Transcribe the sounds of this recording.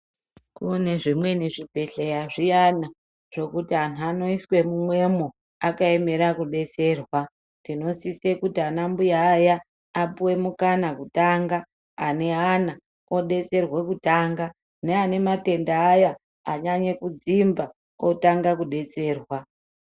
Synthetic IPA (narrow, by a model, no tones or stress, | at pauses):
kune̞ʐimwe̞niʐibʱe̞ɬejaʐijana | ʐ̥o̞kutiɦanuano̞iswe̞mumwe̞mo | akaeme̞ɾakuɗe̞t͡se̞ːrwa | ndino̞sisekutianambujaːjaː | puwe̞mukanakutaŋɡaː | ne̞ɦana | oɗe̞t͡se̞rwe̞kutaːŋɡa | neane̞mate̞ndaːja | aɲaɲe̞kud͡zimba | otaŋɡakuɗe̞t͡se̞ːrwa